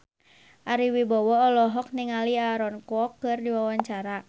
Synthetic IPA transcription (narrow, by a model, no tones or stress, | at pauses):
ʔaɾiwibɔwɔːlɔɦɔk̚niŋaliaɾɔnkwɔkːɨrdiwawaɲt͡ʃaɾa